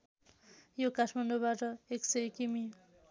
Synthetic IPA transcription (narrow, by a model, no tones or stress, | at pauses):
jokaʈʰmand̪obaʈʌeksʌjkimi